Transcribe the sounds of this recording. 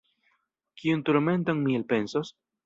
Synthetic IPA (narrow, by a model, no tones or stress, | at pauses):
kiunt̪oɾmẽnt̪oŋmielpensos